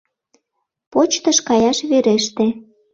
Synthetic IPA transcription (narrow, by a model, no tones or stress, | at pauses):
pot͡ɕt̪əʃkɑjɑʃβeɾeʃt̪e